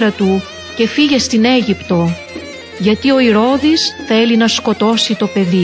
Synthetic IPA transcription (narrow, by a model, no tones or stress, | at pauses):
ɾɐt̪u | ce̞fiʝe̞st̪ine̞ʝipt̪o̞ | ʝɐt̪io̞iɾo̞ðisθe̞linɐsko̞t̪o̞sit̪o̞pe̞ði